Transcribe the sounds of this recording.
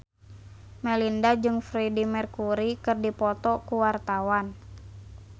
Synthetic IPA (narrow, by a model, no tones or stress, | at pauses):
mɛlindad͡ʒɨŋfɾɛdimɛrkuɾikɨrdipɔt̪ɔkuwart̪awan